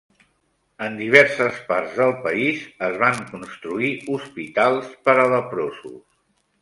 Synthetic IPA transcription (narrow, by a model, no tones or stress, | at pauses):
ənd̪iβ̞ɛɾsəspaɾzðəlˠpəizəzβaŋkunst̪ɾuiuspit̪alˠspəɾələpɾosṵs